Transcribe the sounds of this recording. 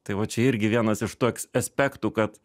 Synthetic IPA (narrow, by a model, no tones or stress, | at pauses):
t̪ɐɪʋɐt͡ʃʲɛɪɾʲɡʲɪʋʲiɛnɐsɪʃt̪uɔkʲsɐsʲpʲæːkt̪uːkɐt̪